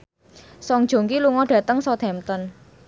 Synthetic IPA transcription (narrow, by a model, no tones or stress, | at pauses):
sɔŋ̥ʒ̥o̤ŋkiluŋɔɖ̥ä̤t̪əŋsɔt̪ɛmt̪ɔn